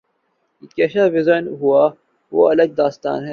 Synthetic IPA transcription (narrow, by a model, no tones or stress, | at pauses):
keːʃaːʋɪzənɦua | ʋoːɐləɡ̚d̪aːst̪a̰ːnɦɛː